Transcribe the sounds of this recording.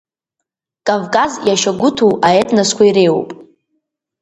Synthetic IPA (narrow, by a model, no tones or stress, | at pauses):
kʼavkʼazjaʃaɡʷʊtʰuwaetʰʼnaskʷʰaiɾejwpʼ